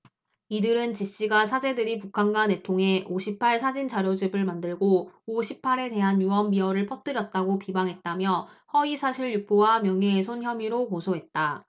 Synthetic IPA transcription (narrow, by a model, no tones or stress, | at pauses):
idɯɾɯnt͡ɕiɕ͈iɡasʰad͡ʑe̞dɯɾipukʰanɡane̞tʰoŋe̞ʔoɕʰipʰaɭsʰad͡ʑind͡ʑaɾjod͡ʑibɯɭmandɯɭɡooɕʰipʰaɾe̞de̞ɦanjuʌmbiʌɾɯɭpʰʌt͈̚ɯɾjʌt̚t͈aɡopibaŋɦe̞t̚t͈amjʌhʌisʰaɕʰiɭjup͈ʰowamjʌŋesʰonçjʌmiɾokosʰoɦe̞t̚t͈a